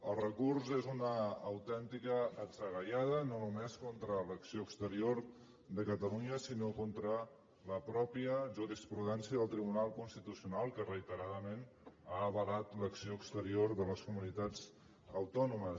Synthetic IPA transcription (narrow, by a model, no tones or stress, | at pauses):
əlˠrəkurzezunəːwt̪ɛnt̪ikəːdzəɣəʎaðənonumeskont̪ɾələksioəkst̪əɾioɾ | ðəkət̪əluɲəsinokont̪ɾə | ləpɾɔpiəʒuɾispɾuðɛnsiəðəlˠt̪ɾiβunalˠkunst̪it̪usiunalˠkərəit̪əɾaðəmenaəβəlat̪ləksioəkst̪əɾioɾðələskumunit̪ad͡z | əwt̪ɔnumə